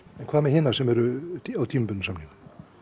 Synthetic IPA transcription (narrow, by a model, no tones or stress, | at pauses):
ɛnkʰvaːmɛhɪnasɛmɛɾʏt̪awt̪ʰimpʏnːsamnɪŋ